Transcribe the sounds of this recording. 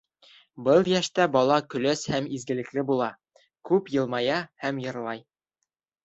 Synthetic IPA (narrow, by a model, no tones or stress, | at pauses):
bɤlˠjæʃt̪æbɒlˠɑkɵ̆læshæmizɡɘ̆lɘ̆klɘbulˠɑ | kʉpjɤ̆lˠmɑjɑhæmjɤ̆ɾlˠɑj